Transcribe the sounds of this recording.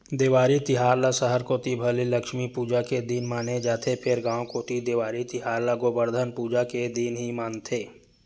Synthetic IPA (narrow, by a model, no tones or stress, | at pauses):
d̪eʋaːɾit̪ɪɦaːɾlasəɦəɾkoːt̪ibʱəliləkʃmipuːd͡ʒaked̪iːnmaːned͡ʒaːt̪ʰepʰɪɾɡãːokoːt̪id̪ɪʋaːɾit̪ɪɦaːɾlaɡobəɾd̪ʱənpuːd͡ʒaked̪iːnɦimaːnt̪ʰeː